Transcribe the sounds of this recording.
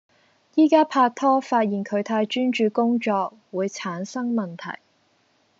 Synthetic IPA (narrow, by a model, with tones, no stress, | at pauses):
jiː˥kaː˥pʰaː˧k̚t̪ʰɔː˥faː˧t̚jiː˨˩nkʰɵ˨˧ɥt̪ʰaː˧jt͡ʃyː˥nt͡ʃyː˨˧kʊ˥ŋt͡ʃɔː˧k̚wuː˨˧jt͡sʰaː˨˥nsɐ˥ŋmɐ˨nt̪ʰɐ̰˨˩j